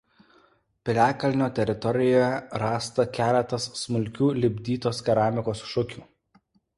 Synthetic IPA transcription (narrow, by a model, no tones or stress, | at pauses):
pʲɪlʲæːkɐlʲnʲoːt̪ʲɛɾʲɪt̪ɔɾʲɪjoːjɛɾɑːst̪ɐkʲæːlʲɛt̪ɐsːmʊlʲkʲuːlʲɪbʲd̪ʲiːt̪oːskʲɛɾɑːmʲɪkoːsʃʊkʲuː